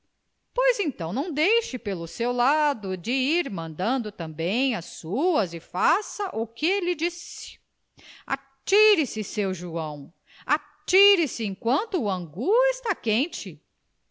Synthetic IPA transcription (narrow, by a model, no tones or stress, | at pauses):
pojzẽt̪ɐ̃w̃nɐ̃w̃d̪ejʃɪpelʊsewlad̪ʊd͡ʒɪiɾmɐ̃nd̪ɐ̃nd̪ʊt̪ɐ̃bẽj̃ɐsuɐzɪfasɐʔʊkɪlɪd͡ʒisɪ̥ | a̰ | t͡ʃiɾɪsɪsewʒuɐ̃w̃ | a | t͡ʃiɾɪsɪẽkwɐ̃nt̪ʊːɐ̃ŋɡuɪst̪akẽnt͡ʃɪ